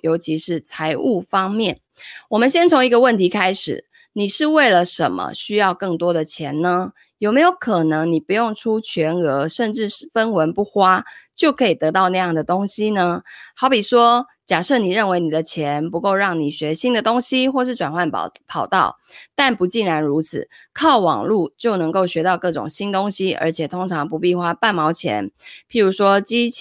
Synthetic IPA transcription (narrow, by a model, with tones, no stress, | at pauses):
jo˧ʊt͡ɕʰi˧˥ʂɻ̩˥˩t͡sʰa˧˥ɪʔu˥˩fɑ˥ŋmjɛ˥˨˩n | wɔ˨˩mə˨nɕ̬jɛ˥nt͡sʰo˧˦˥ŋi˧˥ɡə˧wə˥˩nt̪ʰi˨˥kʰa˥ɪʂɻ̩̰˨˩ | ni˨˩ʂɻ̩˥˧we˥˩ɪlə˩ʂə̰˧˦nmə̰˧˦ɕy˥jɑ˥˧ʊkɤ˥˩ŋt̪wɔ˥d̪ə˨t͡ɕʰjɛ˧˦nnə˦ | jo˨˩ʊme˧˥ɪjo˧˥ʊkʰɤ˨˩nɤ˧˦ŋni˨˩pu˧˦jo˥˩ŋʈ͡ʂʰu˦t͡ɕʰɥɛ˧˥nɤ˧˥ʂə˥˧nʈ͡ʂɻ̩˥˩˨fə˦nwə˧˥npu˥˩xwa˥t͡ɕjo˥˩ʊkʰɤ˧˥i˨˩t̪ɤ˧˥t̪ɑ˥˧ʊna˥˧jɑ˥˩ŋd̪ə˩t̪o˥ŋɕi˥nə˧xɑ˧˥ʊpi˨˩ʂwɔ˥ | t͡ɕja˨˩ʂɤ˥˩ni˨˩ɻə˥˩nwe˧˥ɪni˨˩d̪ə˦t͡ɕʰjɛ˧˥npu˧˥ko˥˧ʊɻɑ˥˩ŋni˨˩ɕɥɛ˧˥ɕi˥nd̪ə˨t̪ʊ˥ŋɕi˥xwɔ˥˧ʂ̬ɻ̩˥˩ʈ͡ʂwa˨nxwa˥˩n̰pʰɑ˨˩ʊt̪ɑ̰˥˩ʊ | t̪a˥˩npu˧˥t͡ɕi˥˩nɻa˧˥nɻu˧˥t͡s̩ʰ˨˩kʰɑ˥˩ʊwɑ̰˨˩ŋlu˥˧t͡ɕjo˥˩ʊnɤ˧˥ŋko˥˩ʊɕɥɛ˧˥t̪ɑ˥˧ʊkɤ˥˩ʈ͡ʂʊ̰˨˩ŋɕi˥nt̪ʊ˥ŋɕi˥ə̰˧˥t͡ɕʰjɛ˨˩t̪ʰo˥ŋʈ͡ʂʰɑ˧˥ŋpu˧˦pi˥˩xwa˥pa˥˩nmɑ˧˥ʊt͡ɕʰjɛ̰˧˦npʰi˨˥ɻu˧˥ʂwɔ˥t͡ɕi˥